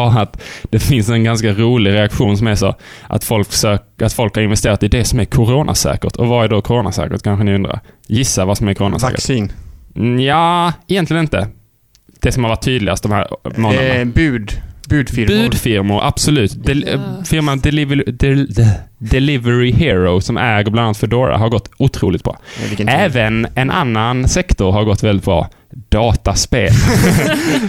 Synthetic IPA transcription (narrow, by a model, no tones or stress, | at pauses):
ɑat̪d̪̥ɛfɪnsɛnɡanskaɾuːlɪɡɾɛakɧuːnsɔmæɾʂo̰ʔa̰t̪fɔlksøːkat̪fɔlkhaɾɪnvɛst̪eːɾat̪ɪd̪ɛsɔmæɾkʰʊɾoːnʔa̰sɛ̰ːkə̰ɾt̪ʰɔvɑæd̪okʰʊɾoːnasɛ̰ːkə̰ɾt̪kʰanɧənɪɵnd̪ɾa̰ɾjɪsːavasɔmæɾkʰʊɾoːna̰sːkə̰sin | jaːɛjɛnlɪɡənɪnt̪ə̰ | d̪̥ɛsɔmhaɾvaʈʰːyːd̪lɪɡast̪d̪ɔmhæ̰ːɾmoːənbʉːd̪bʉːd̪fɪɾbʉ̟ːd̪fɪɾmʊɾʔa̰b̥sɔlʉ̟ːt̪d̪ɛfɪɾmad̪ɛlɪv | d̪ɛlɪvəɾɪhɪɾɔsɔmʔæɡəblananat̪fœɖoːɾa̰ɦaɾɡɔt̪ːʊt̪ʰɾṵːlɪɡt̪̚bɾɑ̰ːɪɛːvənɛnʔa̰nːansɛkt̪ʊɾɦaɾɡɔt̪ːvɛlɪt̪̚bɾɑ̰ː | d̪̥ɑːt̪aspeːl